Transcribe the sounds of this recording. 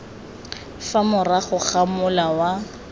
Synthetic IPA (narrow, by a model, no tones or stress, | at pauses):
famʊraχʊχamʊlawa